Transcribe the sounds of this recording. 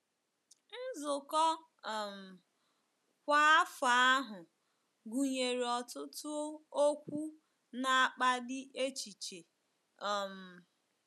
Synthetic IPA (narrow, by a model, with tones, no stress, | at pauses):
n̩˦zʊ˨kɔ˦˨ | m̩˨ | kʷa˦fa˨a˦ɦʊ˨ | ɡu˨ɲe˨ɾi˨ɔ˨tʊ˦tʊ˦o˦kʷu˦ | na˨k͡pa˦dɪ˦ʔe˦t͡ʃi˨t͡ʃe˨ | ɔ˨m̩˨